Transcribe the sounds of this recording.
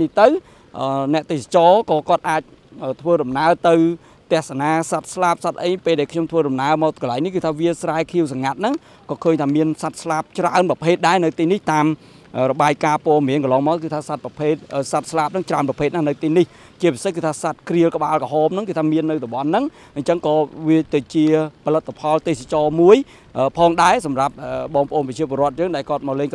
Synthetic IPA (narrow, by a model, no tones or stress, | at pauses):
niht̪ɨw | ʔəːnɛ̆əʔt̪eːsḁt͡ɕɑːkɑːkŏət̪̚ʔaːc̚ | ʔəːt̪ʰʋəːɗɑmnaət̪ɨw | t̪ɛ̆əhsanaːsat̪̚slap̚sat̪̚ʔəjpeːlɗaɛlkʰɲomt̪ʰʋəːɗɑmnaəmaːkəlaɛŋnihkɨːt̪ʰaːʋiəsraɛkʰiəws̬aŋat̪̚nɨŋ | kɑːkʰəːɲt̪ʰaːmiənsat̪̚slap̚t͡ɕraənprɑpʰeːt̪̚ɗaɛnɨwt̪iːniht̪aːm | ʔəːrɔɓaːjkaːpŏəmiənkəlɑːŋmaːkɨt̪ʰaːsat̪̚prɑpʰeːt̪̚ʔəːsat̪̚slaːp̚nɨŋt͡ɕraənprɑpʰeːt̪̚nahnɨwt̪iːnih | t͡ɕiəpisehkɨːt̪ʰaːsat̪̚kriəlkə̆ɓaːlkɔɦoːmnɨŋkɨːt̪ʰaːmiənːɨwɗoɓɑnːɨŋ | ɲt͡ɕəŋkɑːʋiət̪ɨt͡ɕiəpʰɑlɨt̪ʰːapʰɑlt̪eːhsat͡ɕɑːmuəj | ʔəːpʰɑːŋɗaɛsɑmrap̚ʔəːɓɑːŋpə̆ʔoːnpɑt͡ɕiəp̬oəɾrŏət̪̚jəːŋɗaɛlkŏət̪̚maːwleːŋ